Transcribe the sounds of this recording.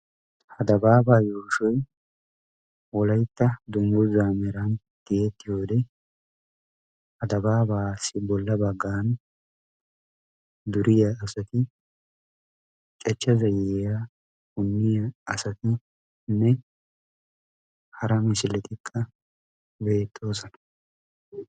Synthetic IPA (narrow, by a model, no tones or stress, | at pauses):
hɐd̪ɐbaːbaːjuːʃɔj | wɔlɐjt̪ːɐd̪ʊŋɡɔzaːmɛɾɐn | d̪̥eeːt̪ːɪjo̞ːd̪ɛ | hɐd̪ɐbaːbaːsːɪbɔlːɐbɐɡːaːn | d̪ʊɾɪjɐːsɐt̪ɪ | t͡ʃʼɛt͡ʃːɐzɐjɛja | hʊnːɪjɐːsɐt̪ɪ | nːɛ | hɐɾɐmɪʃɪlɛt̪ʼɪkʼːɐ | be̞ːt̪ʼːo̞ːsɔnɐ̥